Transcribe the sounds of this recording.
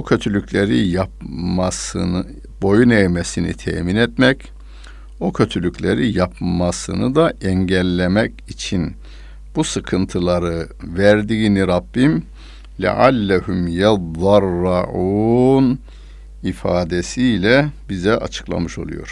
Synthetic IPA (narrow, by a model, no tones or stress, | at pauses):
okcʰø̞t̪ʰylʲycʰʲlʲeɾijap̚masɯn | bo̞junɛjmesinḭt̪ʰɛ̰ːminɛt̪mɛc | ocʰø̞t̪ʰylʲycʰʲlʲeɾijapmasɯ̰nɯd̪aɛɲɟɛlʲːemɛcit͡ʃʰin | b̥usɯkʰɯnt̪ʰɯlˠaɾɯvæɾd̪iːniɾabːim | lʲɛ̰ʕalːɛɦumjɛðɑrːɑʕuːn | ifaːd̪esijlʲɛbizɛʔat͡ʃʰɯ̥klˠa̰mɯʃo̞̰lˠṵjo̞̰ɾ̥